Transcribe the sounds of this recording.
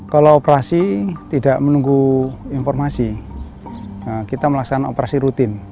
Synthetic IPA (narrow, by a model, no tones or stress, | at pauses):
kaloːpəɾasit̪ida̤ʔmənuŋɡuinfɔrmasi | əkit̪aməlaksanaopəɾasiɾut̪ɪn